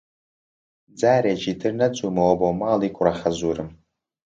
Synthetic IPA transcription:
d͡zaːɾed͡ʒidʰɨrnɐt͡sʼumawabomaːlikʷʼʊraχazuɾɨm

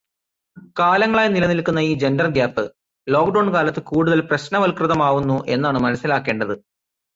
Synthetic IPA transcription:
kaːlɐŋːɐɭaːjɐnilɐnilkːunːɐiːd͡ʑe̞nɖɐrɡjaːpːɨ | lo̞ːk̚ɖɐwɳkaːlɐt̪ːɨkuːɽuðɐlprɐɕnɐʋɐlkrɨðɐmaːʋunːuʔe̞̰nːaːɳɨmɐnɐsːilaːkːe̞ːɳɖɐðɨ

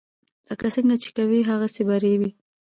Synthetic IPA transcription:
ləkasəŋɡat͡ʃe̥kawiɦaɣasebaɾewi

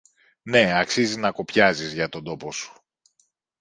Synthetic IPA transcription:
ne̞ɐksiziznɐko̞pçɐzizʝɐt̪o̞nd̪o̞po̞su̥

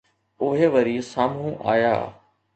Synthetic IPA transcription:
ʊɦeʋɐɾisaːmũʔa̰ːja̰ː

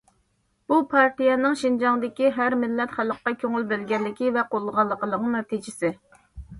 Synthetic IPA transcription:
bupʰɑɾt̪ijɛnɪŋʃind͡ʒɑŋd̪ɪkʲiɦæɾmɪlːɛt̪χælːəqːɑkʲʰøŋylbɪlɡʲɛlːɪkʲivɛqʰolˠːəʁɑlˠːəqʰəlˠəqnɛt̪ʰid͡ʒɪsɪ

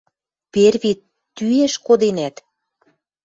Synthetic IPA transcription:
perβit̪ː | yeʃkod̪enæt̪

